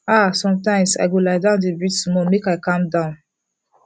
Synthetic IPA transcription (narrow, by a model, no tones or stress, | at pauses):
asɔ̃mtãɪ̃msa̰ɪɡolaɪdãʊ̃ndibɹid͡ʒmɔmekaɪkãmdãʊ̃n